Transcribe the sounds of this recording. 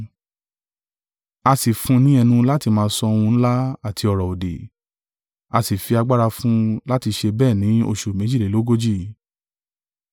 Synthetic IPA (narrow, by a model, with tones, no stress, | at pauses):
a˧si˨fũ˧nĩ˦ɛ˧nũ˧la˦ti˧mãː˧˦sɔ˧ũ˧n̩˦la˦a˦˨tʰi˧ɔ˨ɾɔ˨o˨de˨ | a˧si˨fi˧a˧ɡ͡ba˦ɾa˧fũ˦la˦ti˧ʃe˧bɛː˦˨nĩ˨˦o̰˧ʃu˨mẽ˨˦d͡ʒi˦˨le˨lo˦ɡo˦d͡ʒi˦˨